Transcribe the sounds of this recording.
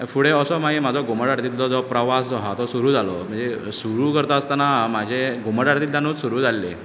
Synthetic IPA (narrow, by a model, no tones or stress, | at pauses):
fuɽeəsɔmaimad͡zʱɔɡoməɽaɽd̪it̪lɔd͡zɔpɾəʋasd͡zɔɦat̪ɔsuɾuːd͡zʱalɔ̰m̤əɳd͡zesuɾuːkəɾt̪aəst̪anamad͡ʑʱeɡoməɽaɽt̪iːlt̪janoːt͡ssuɾuːd͡zʱalːḛ